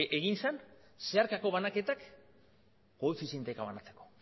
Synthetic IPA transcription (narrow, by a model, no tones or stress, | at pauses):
ʔeɣinsanse̞aɾkako̞βanake̞t̪ak | koefisent̪ekaβanat͡se̞ko̞̥